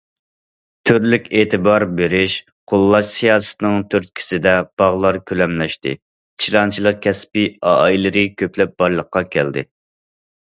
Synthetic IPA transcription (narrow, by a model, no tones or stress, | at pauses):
t̪ʰyɾlykʲeːt̪ʰɨbɑɾbeɾɪʃ | qʰolˠːɑʃsijɑːsɨ̥t̪ɨnɨŋt̪ʰyɾt̪̚kʲʰi̥sɪd̪ɛb̥ɑʁlˠɑɾkʲʰølɛmlɛʃt̪ɪ̰̥ | t͡ʃʰɾɑnt͡ʃʰilˠəq̚kʲʰɛspiɑ̰ːilɨɾɨkʲʰøplɛp̚b̥ɑɾlˠəqːɑkʲʰɛ̰ld̪ɪ̰